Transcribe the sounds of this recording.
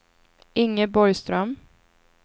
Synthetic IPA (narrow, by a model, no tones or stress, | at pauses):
ʔɪŋːəbɔɾjst̪ɾœm